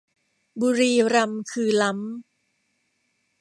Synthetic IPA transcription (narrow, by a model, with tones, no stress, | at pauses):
buː˧ɾiː˧ɾa˧mkʰɯː˧la˦˥m